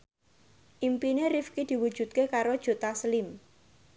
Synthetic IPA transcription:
ʔimpineɾifkid̪̥i̤wud̥ʒ̥ṳt̪̚kekaɾod̥ʒ̥o̤t̪asəlɪm

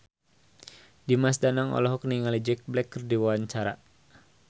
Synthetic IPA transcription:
dimasdanaŋɔ̰lɔɦɔk̚niŋalid͡ʒɛk̚blɛkːərdiwawaɲt͡ʃaɾa

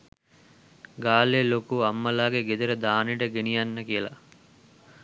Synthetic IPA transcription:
ɡaːlelokuɐmːɐlaːɡeɡed̪eɾəd̪aːniɖəɡenijanːəkijəla̰

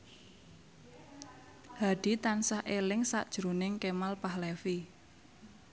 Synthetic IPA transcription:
haɖ̥i̤t̪ansahʔelɪŋsa̰ʔd̥ʒ̥ɾonɪŋkemalpahlɛfi

